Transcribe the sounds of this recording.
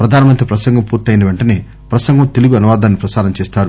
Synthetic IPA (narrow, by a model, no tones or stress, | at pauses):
pɾɐd̪ʱaːnɐmɐnt̪ɾipɾɐsɐŋɡɐmpuːɾt̪ɐjnɐʋeɳʈɐneː | pɾɐsɐŋɡɐmt̪e̞luɡuɐnuʋaːd̪aːnːipɾɐsaːɾɐmt͡ʃeɛːst̪aːɾu